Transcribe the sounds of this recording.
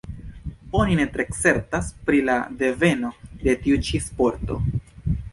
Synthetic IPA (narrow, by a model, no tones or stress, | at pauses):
o̞nine̞tɾe̞kse̞ɾtaspɾila̰de̞ve̞no̞de̞tiut͡ʃispo̞ɾto̞̰